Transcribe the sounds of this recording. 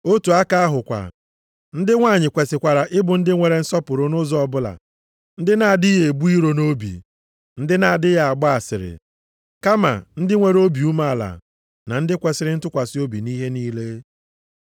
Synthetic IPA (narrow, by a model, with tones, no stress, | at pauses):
o˦tu˨a˦ka˦a˦ɦʊ˨kʷa̰˨ | n̩˦dɪ˦ŋʷa˦˨ɲɪ˨kʷe˨sɪ˨kʷa˨ɾa˨ʔɪ˦bʊ˨n̩˦dɪ˦ŋʷe˨ɾe˨n̩˦sɔ˦pʊ˨ɾʊ˨nʊ˦zɔ˨ɔ˨bʊ˦la̰˨ | n̩˦dɪ˦na˦˨dɪ˦e˨e˨bu˦i˦ɾo˨no˦bḭ˨ | n̩˦dɪ˦na˨dɪ˦ja˨a˨ɡ͡bɔ˦a˨sɪ̰˨ɾɪ̰˨ | ka˦ma̰˨n̩˦dɪ˦ŋʷe˨ɾo˦bi˨u˦ma˦a˨la̰˨ | na˨n̩˦dɪ˦kʷe˨sɪ˨ɾɪ˦n̩˦tʊ˦kʷa˨sɪ˦o˦bi˨ni˦ɦe˦ni˦le˦